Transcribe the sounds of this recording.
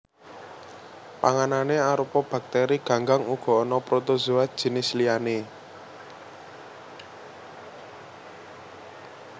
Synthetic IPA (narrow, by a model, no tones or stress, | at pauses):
paŋananeaɾupɔb̥a̤k̚t̪eɾiɡ̥ä̤ŋɡaŋuɡ̥ɔ̤ɔnɔpɾot̪ozuad̥ʒ̥i̤nɪsliane